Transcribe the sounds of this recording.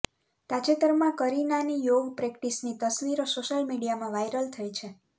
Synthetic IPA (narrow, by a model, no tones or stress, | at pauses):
t̪at͡ʃet̪əɾmãkəɾinanijoɡpɾekʈisnit̪əsʋiɾosoʃəlmiɽijamãʋajɾəlt̪ʰəjt͡ʃʰe